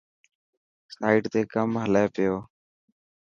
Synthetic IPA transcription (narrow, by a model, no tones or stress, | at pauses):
saːiːʈt̪eːkəmɦəleːpɪjoː